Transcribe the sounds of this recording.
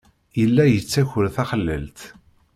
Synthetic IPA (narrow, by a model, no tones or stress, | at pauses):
jəlːæjət͡sːæçəɾθæχəlːə̰lt̪